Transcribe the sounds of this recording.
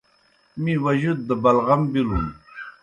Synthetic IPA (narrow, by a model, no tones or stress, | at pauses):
mĩwɐʑud̪̚ːəbɐlɣambilun